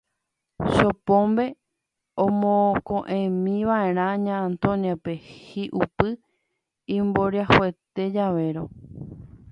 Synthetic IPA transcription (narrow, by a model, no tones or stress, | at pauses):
ʃopõmbe̞ | õmõkõʔẽmĩʋaẽ̞ɾ̃ãɲãːnt̪õnjape̞hiʔupɨ | ĩmbo̞ɾjahoet̪e̞d͡ʒaʋe̞ɾo̰